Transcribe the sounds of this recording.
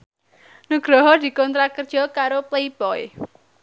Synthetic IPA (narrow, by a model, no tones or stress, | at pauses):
nuɡ̥ɾɔɦɔd̪̥i̤kɔnt̪ɾakərd̥ʒ̥ɔ̤kaɾopleibɔj